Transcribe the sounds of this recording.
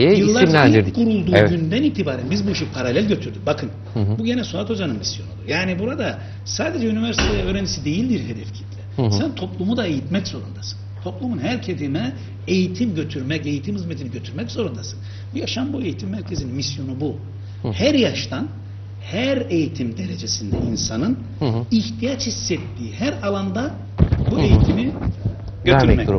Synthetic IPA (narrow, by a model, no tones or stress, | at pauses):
jejɯlˠːaɾkʰːuɾulˠd̪uɟynd̪æniːt̪ʰibaːɾænbizbuiʃijpʰaɾalʲælʲɟøt̪ʰyɾd̪ybakʰɯn | buɟenɛsoat̪o̞d͡ʒanɯnmisjonolˠṵjaːnibuɾad̪a | saːd̪ed͡ʒɛynivɛɾsit̪ʰej̪ɛøːɾɛnisid̪e̞jilʲd̪iɾɦe̞d̪ɛfcʰit̪lʰʲɛsænt̪ʰo̞plˠumud̪aejit̪mɛczo̞ɾund̪asɯ̥nt̪ʰo̞plˠumunɦæɾcʰed̪imɛ | ejit̪ʰimɟø̞t̪ʰyɾmɛce̞jit̪ʰimhɯzmet̪ʰiniɟø̞t̪ʰyɾmɛczo̞ɾund̪asɯ̥n | ujaʃanbue̞jit̪ʰimːæɾcʰezininmisjo̞nubu | hæɾjaʃt̪an | hæɾejit̪ʰimd̪e̞ɾe̞d͡ʒe̞sind̪ɛinsanɯn | içt̪ʰijat͡ʃhisːɛt̪ːiːhæɾalˠand̪a | buejit̪ʰimi | ɟøt̪yɾmɛc